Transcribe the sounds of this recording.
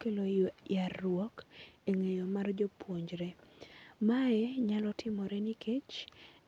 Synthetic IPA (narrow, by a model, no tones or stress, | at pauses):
kelojarwɔkeŋejomard͡ʒopwoɲd͡ʒɾɛ | maɛɲalɔtʰɪmɔɾɛniket͡ʃ